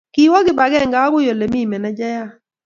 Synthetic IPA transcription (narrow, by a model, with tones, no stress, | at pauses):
ki˦wɔ˦ɡɪ˦ba˨ɡɛ˦˨ŋɡa˨˦ɡʊ˦jo˨le˨mi˦˨mɛ˨na˦d͡ʒa˦ja˦